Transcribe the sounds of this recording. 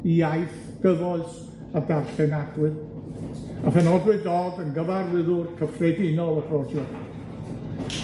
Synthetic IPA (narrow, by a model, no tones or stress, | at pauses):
iajθ | ɡ̥əvɔɨs | adarɬɛnaɡwɨð | afɛnɔdwɨdɔɡənɡəvarðɪðʊrkʰəfrɛdɪnɔlˠəfɔdjɔ